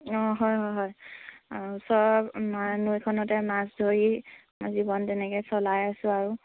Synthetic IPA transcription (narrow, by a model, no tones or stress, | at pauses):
ɔɦɔjɦɔjɦɔjaɹusɔɹɔpmanujkʰɔnɔtɛnasdʱoɹi | zibɔntɛnɛkɔjsɔlajasʊ̃aɹu